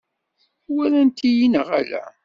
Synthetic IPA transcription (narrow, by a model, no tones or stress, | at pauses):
wæɾænt̪ijinəʁæ̰læ̰